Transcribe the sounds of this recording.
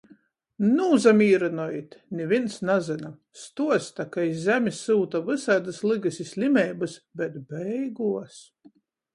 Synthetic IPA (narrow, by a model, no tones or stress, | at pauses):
nuːzamiːɾanɔjit̪nʲɛvʲinsnazɨna | st̪uɔst̪akaizzʲæmʲisːuːt̪avɨsad̪ɨslˠɨɡɨsʲisʲlʲimʲɛjbɨsbʲɛt̪bʲɛjɡuɔs